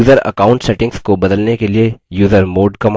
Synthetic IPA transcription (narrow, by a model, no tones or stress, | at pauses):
uːzəɾɐ̰kaːʊ̃ɳʈsɛʈɪ̃ŋɡskobɐd̪əlnekeliejuːzəɾmoːɖkɐm